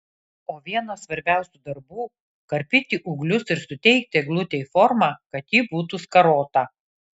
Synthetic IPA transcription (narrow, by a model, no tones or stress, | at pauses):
oːʋʲiɛnɐsʋɐɾʲbʲæˑʊsʲuːd̪ɐɾbuː | kɐɾʲpʲɪt̪ʲiʔʊɡlʲʊsɪɾsʊt̪ʲɛɪk̚t̪ʲeɡlˠʊt̪ʲeifɔɾmɑːkɐt̪jiːbuːt̪uskɐɾoːt̪ɐ